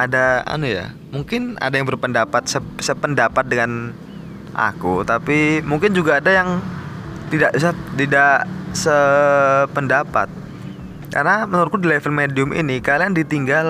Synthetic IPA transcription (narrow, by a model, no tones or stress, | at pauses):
ʔadaa̰nuja̰ | muŋkɪna̰dajaŋbərpəndapat̪̚səsəpəndapat̪̚dəŋan | ʔa̰kut̪apimuŋkɪnd͡ʒuɡaːdajaŋ | t̪idaʔisat̪idaʔsə | pəndapa̰t̪̚ | ka̰rnamənuɾʊt̚kudilɛvəlmediʊmʔḭnikaliandit̪iŋɡal